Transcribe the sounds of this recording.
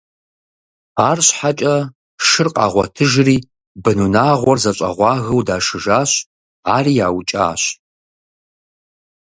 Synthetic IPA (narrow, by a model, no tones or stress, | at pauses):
aːrɕħat͡ʃʼɐ | ʃɨrqʼɑ̰ːʁʷɔ̰tʰɨʒriː | bɨnunaːʁʷɔrzɐɕʼɐ̰ʁʷɑːɣɐwdaːʂɨʒaːɕ | aːriːjaːwt͡ʃʼa̰ːɕ